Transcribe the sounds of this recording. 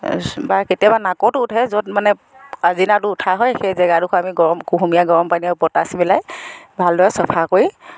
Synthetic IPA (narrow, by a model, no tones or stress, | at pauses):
baɹketijabanakɔtʊːtʰɛzɔtmanɛ | azinatʊːtʰaɦɔjxejzɛɡadukʰɔamiɡɔɹɔmkuɦumijaɡɔɹɔmpaniɛʊpɔtasibilajbʱaldɔɹɛsɔpʰakoɹi